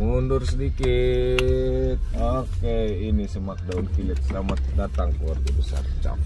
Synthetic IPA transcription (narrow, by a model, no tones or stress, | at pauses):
mundʊrsədiki | t̪̚ɔkeinisəmak̚daunkilɛt̪̚səlamat̪̚dat̪aŋkluarɡabəsa̰rt͡ʃa̰m